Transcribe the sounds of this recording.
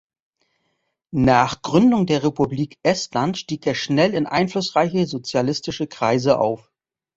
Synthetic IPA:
naːχɡ̥ʁʏndʊŋdeːɐʁepubliːkʔɛstlantʃtiːkeːɐʃnɛlɪnʔa̰ɪnflʊsʁaɪçəzot͡sjalɪstɪʃəkʁ̥aɪzəʔa̰ʊf

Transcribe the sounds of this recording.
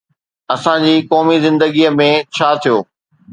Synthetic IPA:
ɐsãd͡ʑiːkɔːmizɪ̃nd̪əɡiəmẽt͡ɕʰaːt̪ʰijoː

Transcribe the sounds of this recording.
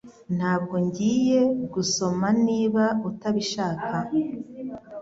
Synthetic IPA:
n̥haːb̚ɡo̞ɲɟiːje̞ɡuso̞maniːβautaβiʃaːkʰa

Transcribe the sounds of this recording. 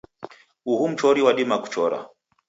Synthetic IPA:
uhum̩t͡ʃɔɾiwaɗimaku̥t͡ʃɔɾa̰

